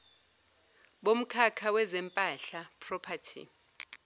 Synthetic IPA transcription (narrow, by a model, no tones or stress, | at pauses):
ɓom̩kʰakʰawɛzɛmpʼaɬapʰrɔpʰatʰḭ